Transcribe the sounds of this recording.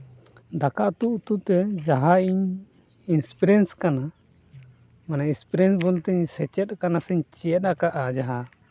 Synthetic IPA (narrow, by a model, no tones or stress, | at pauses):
d̪akaʔt̪uʔt̪ut̪ɛd͡ʒaɦaiɲ | inspiɾɛnskana | manainspiɾɛnsbɔlt̪ɛɲsɛt͡ʃɛt̪̚kanasɛɲt͡ʃijɛt̪akaʔad͡ʒaɦa